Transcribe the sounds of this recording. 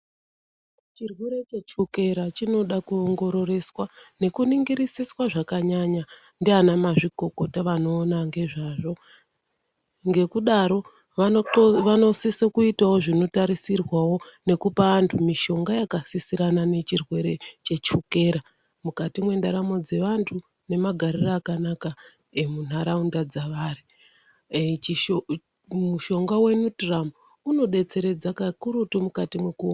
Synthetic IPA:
t͡ʃirweɾe̞t͡ʃet͡ʃuke̞ɾat͡ʃino̞ɗakuoŋɡo̞ɾo̞re̞swane̞kuniŋɡiɾisiswaʐakaɲaɲa | ndianamaʐiɡo̞ko̞taʋano̞ːnaŋɡe̞ʐaːʐo̞ | ŋɡe̞kuɗaɾo̞ | ʋaosisokuitawo̞ʐino̞taɾisirwawo̞ne̞kupaantʰumiʃo̞ŋɡajakasisiɾanane̞t͡ʃirwe̞ɾe̞t͡ʃe̞t͡ʃukeːɾa | mukatimwe̞ndaɾamo̞d͡ze̞ʋantʰu | ne̞maɡʱaɾiraːkanaka | emun̤aɾaundad͡zaʋaːri | muʃo̞ŋɡawe̞nutramu | uno̞ɗe̞t͡se̞ɾe̞d͡zakakuɾutomukatimwe̞ku

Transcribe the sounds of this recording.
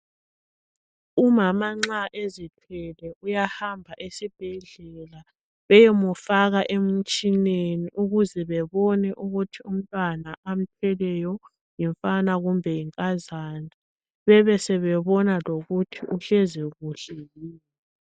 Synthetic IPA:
umamaŋ͡ǀaʔezitʰwɛlɛʔujahambʱaʔesib̥ʱɛɮɛla | βɛjɛmufaɣaʔem̩t͡ʃʼineniʔuɣuzɛβɛβɔnɛʔuɣutʰium̩tʼwanaʔam̩tʰwɛlɛjɔ | jiɱfanaɣumbʱɛiŋkʼazandʱa | βɛβɛsɛβɛβɔnaloɣutʰiʔuɬɛzɛɣuɬɛjiːnɛ

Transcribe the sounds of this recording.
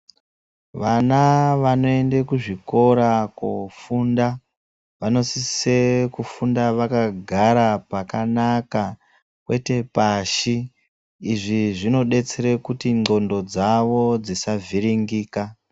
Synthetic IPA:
ʋanaʋano̞e̞nde̞kuʐiko̞ɾako̰funda | ʋano̞sisekufundaʋakaɡʱaɾapakanaka | kwe̞te̞paʃiː | ʐiʐino̞ɗe̞t͡seɾekutiŋ͡ǃo̞ndo̞d͡zaʋo̞d͡zisavʱiɾiŋɡiːka

